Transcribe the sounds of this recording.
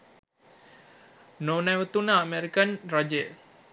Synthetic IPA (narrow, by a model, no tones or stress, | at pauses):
noːnɛʋət̪unəːmeɾikənrad͡ʒejə